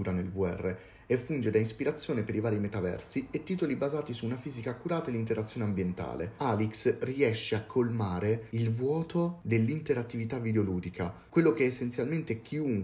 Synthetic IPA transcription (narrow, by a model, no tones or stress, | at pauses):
uːɾanelvuɛ̰rːe | efːund͡ʒed̪aispiɾat̪sːjoːnepeɾivaːɾimet̪avɛ̰rsiet̪ːiːt̪olibazaːt̪isuːnafiːzikaːkːuɾaːt̪aelːint̪eɾat̪sːjoːneambjent̪a̰ːlḛaliksriɛʃːeakʰːolmaːɾeilvwɔːt̪od̪elːint̪eɾat̪ːivit̪avːid̪eoluːd̪ikʰakwelːok̟eɛːsːent̪sjalment̪ek̟ʰiuŋ